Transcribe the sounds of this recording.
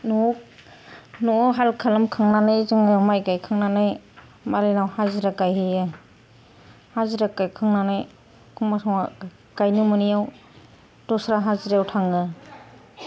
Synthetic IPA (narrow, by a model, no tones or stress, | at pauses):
nu | nuɦalkʰalɯmkʰɯŋnanɯjzɯŋɯmajkajkʰɯŋnanɯj | maɾenawhaziɾakajhɯjɯ | haziɾakajkʰɯŋnanaj | kʰuŋasɔŋa | kajnumɯnijaw | dɔsɾaɦaziɾjawtʰaŋɯ